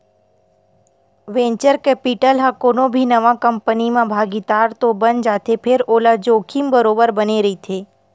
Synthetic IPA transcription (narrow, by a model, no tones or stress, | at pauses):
ʋẽːɲt͡ʃəɾkɛːpiʈəlɦãkoːnõbʱinəʋãkəmpənimãbʱaːɡid̪aːɾt̪obənd͡ʒaːt̪epʰɪɾoːlad͡ʒoːkʰimbəɾoːbəɾbəneɾəit̪ʰeː